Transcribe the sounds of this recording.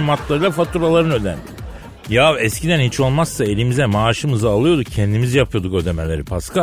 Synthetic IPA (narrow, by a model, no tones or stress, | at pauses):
mat̪ʰlˠaɾɯlˠafat̪ʰuɾalˠaɾɯnø̞d̪æ̰nd̪i | javɛscid̪ænhit͡ʃʰo̞lˠmasːae̞lʲimizɛmaːʃɯmɯzɯalˠɯjo̞d̪ucʰɛnd̪imizijapʰɯjo̞d̪ukø̞d̪eme̞lʲe̞ɾipʰaskʰa